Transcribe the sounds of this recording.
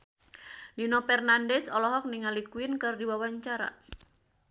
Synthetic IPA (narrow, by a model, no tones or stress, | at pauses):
linopɛrnandɛsɔlɔɦɔk̚niŋalikuɪnkɨrdiwawaɲt͡ʃaɾa̰